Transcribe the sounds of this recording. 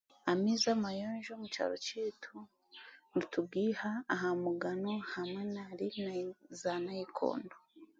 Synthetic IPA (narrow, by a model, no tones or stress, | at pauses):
amizamajoːnʒomut͡ʃa̰ɾot͡ʃitʰu | nitʰub̚ɡihaːɦamuɡanohamanaɾinzanajikʰo̰ːndo